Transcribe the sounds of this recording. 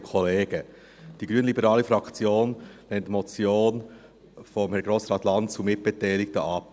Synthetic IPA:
kʰɔleːɡə | d̥iɡɾyənlibəɾɑːlifɾɑkt͡sjoːnlɛntmɔt͡sjoːn | fɔmhɛɾɡɾoːsɾɑːtlɑntt͡sumɪt̚b̥ɛtɛɪlɪk̚təʔɑp

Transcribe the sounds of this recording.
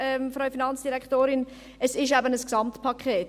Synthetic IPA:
ɛmfɾœʏfinɑnt͡sd̥iɾɛktoːɾɪn | əsɪʃɛbənəsksɑmtpʰɑkχeːt

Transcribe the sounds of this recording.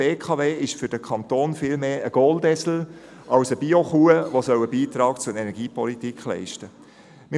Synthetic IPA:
eːkʰɑːveːɪʃfʏɾd̥əkʰɑnt̪oːnfiːlmeːʔəɡ̥oːldɛsl̩ | ɑʊsəbioχuəʋosœwəbiːt̪ɾɑːkt͡sʊənɛnɛɡiːpɔlitikχlɛ̰ɪʃtə | mɪ

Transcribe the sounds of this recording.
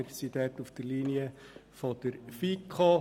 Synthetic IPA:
sit̪ɛːt̪ufd̥əɾliːniəfod̥əɾfikʰo

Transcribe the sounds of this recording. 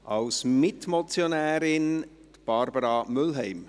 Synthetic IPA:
ʔɑlsmɪtmɔt͡sjonɛːɾɪn | tb̥ɑɾbəɾɑmʏlɦɛɪm

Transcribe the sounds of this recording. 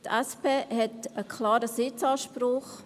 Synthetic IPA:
t̪ʰɛspʰeːhɛtəkʰlaːɾəsɪt͡sɑːʃpɾʊχ

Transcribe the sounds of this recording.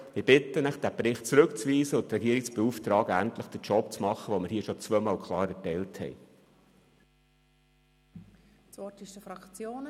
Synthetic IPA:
mɪb̥ɪt̪ːənəχd̥̪æpɾɪχt̚t͡sɾɵkt͡sviːzəʊt̪ɾɛɡiəɾɪksb̥euft̪ɾɑːɡænt̪ləχd̥ət͡ʃɔp̚t͡smɑχəʋɔməɾhiːəʃɔt͡svœːmɑːlkʰχlˠɑːɾɛtɛɪlthɛ̰j | t͡sɔtɪʃtəfɾɑkt͡sjoːn

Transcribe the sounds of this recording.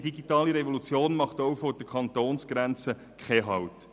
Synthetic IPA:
diɡitɑːliɾɛvolut͡sjoːnmɑχtoʊfɔd̥əkʰɑntoːnsɡ̥ɾænt͡sə | kχɛɦɑwt

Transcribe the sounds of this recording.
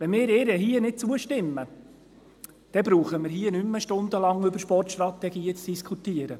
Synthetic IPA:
ʋɛnmɪːɾɪɾɛɦiənɪt̚t͡suəʃtɪmːə | d̥ɛbɾuːχəmɪɾhiːənymːəʃtʊnd̪əlɑŋʏbəɾʃpɔrtʃt̪rɑt̪ɛɡiːət͡sd̥iskʰut̪iəɾə

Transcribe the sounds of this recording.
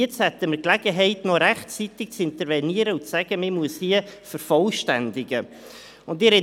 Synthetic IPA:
ɛt͡sthɛt̪əməɾklɛɡ̥əɦɛɪtnɔɾæχt͡sit̪ɪk̚t͡sɪntəɾvɛniːəɾəʊnt͡sæɡ̥əmɪmuəshiəfəɾfɔlʃtændɪɡə | ʊndɪɾɛ

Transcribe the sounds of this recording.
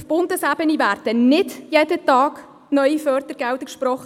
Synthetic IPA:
fb̥ʊndəsæbənivæːɾdənɪdjeːd̥ətɑːɡ | nœʏifœːrt̪əɾɡ̥ɛwtəkʃpɾɔχə

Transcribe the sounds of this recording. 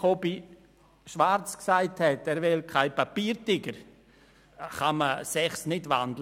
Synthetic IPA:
obi | ʃʋaɾt͡sksaɪthɛtɛɾʋɪlkʰaɪpapiːɾtɪɡəɾ | χɑməsɛχsnɪdʋandlə

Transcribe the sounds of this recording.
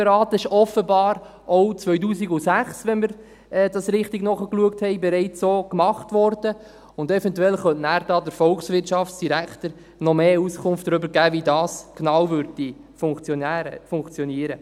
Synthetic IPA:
ɾɑːt̪ɪʃɔfəbɑːɾ | owt͡sʋœʏt̬uːsiɡʊsæχsʋɛnməɾ | ɛdɑsɾɪχtiɡnɔχəkluəkthɛɪbɛɾɛɪt͡sːoːkmɑχtʋɔɾd̥ə | ʊndɛfɛntwɛlχœntnæːɾdɑːdəɾfɔlksʋɪrtʃɑfsd̥iɾæktəɾ | nɔmeːuskʰʊnftdɾʏbəɾɡæːvidɑːsknɑwvøɾddi | fʊŋt͡sːfʊŋkt͡sjɔniəɾə

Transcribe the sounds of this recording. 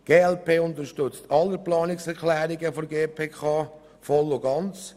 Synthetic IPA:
ɡ̥eːɛlpeːʊnt̪əɾʃtʏt͡stɑlːəplɑːnɪksɛɾklæːɾɪɡəfɔɡeːpʰeːkʰɑː | fɔlːʊɡɑnt͡s

